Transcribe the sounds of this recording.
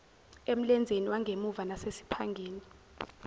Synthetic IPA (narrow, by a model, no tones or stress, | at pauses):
em̩lɛnd͡zʱeniwaŋɡʱemuvanasesi̥pʰaŋɡʱeːni